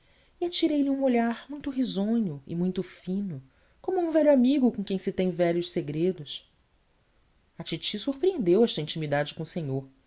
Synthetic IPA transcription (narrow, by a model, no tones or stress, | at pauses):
iat͡ʃiɾejliũoʎaɾmũj̃t̪ʊɦizõɲʊɪ̰mũj̃t̪ʊfĩnʊ | kõmʊũvɛʎʊamiɡʊkõkẽj̃sɪt̪ẽj̃vɛʎʊʃseɡɾed̪ʊs | ɐt͡ʃit͡ʃisuɾpɾiẽnd̪ewɛʃt̪ɐĩnt͡ʃimid̪ad͡ʒɪkõʊsẽɲoɾ